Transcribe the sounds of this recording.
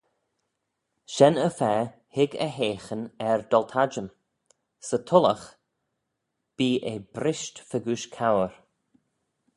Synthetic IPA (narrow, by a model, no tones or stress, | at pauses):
ʃɛnəfɛː | hɪɡə̰ɦeːxənɛɹd̪̥ɔlt̪ʰad͡ʒəm | sət̪ʰʊləx | b̥iːʔebɾɪʃtfəɡuːʃkʰawəɹ